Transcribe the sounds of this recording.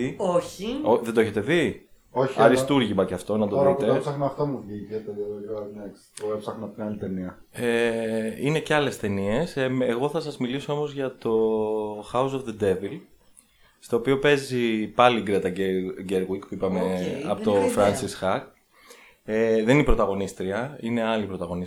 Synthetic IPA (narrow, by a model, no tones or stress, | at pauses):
ioçioðend̪oeçet̪e̞ði | oçɐɾist̪uɾʝimɐceɐft̪o̞nɐt̪ooðit̪eesɐxnɐːft̪omuvʝicet̪eojoɐnekst̪oepsɐxnɐɐft̪ɐlit̪eniɐ | eineceɐle̞st̪e̞nie̞seɣo̞θɐsɐzmiliso̞o̞mo̞zʝɐt̪o̞xɐuso̞fðed̪e̞vil | st̪o̞ːpio̞pe̞zipɐliɡɾet̪ɐɟeɾɣikpuipɐmeɐpot̪o̞fɾɐnsisxɐk | eðeninipɾo̞t̪ɐɣo̞nist̪ɾiɐine̞ɐlipɾo̞t̪ɐɣo̞nis